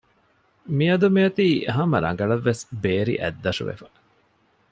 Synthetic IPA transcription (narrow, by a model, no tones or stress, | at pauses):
miɐd̪umiɐt̪iːɦɐmɐɾɐ̰ŋ̆ɡɐɭɐʋːesbeːɾḭʔæ̰d̪ːɐʂṵʋḛfɐ̥